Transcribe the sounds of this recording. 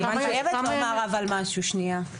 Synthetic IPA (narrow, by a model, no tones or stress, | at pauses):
aniχojevet̪mamaʁavalmaʃuʃnia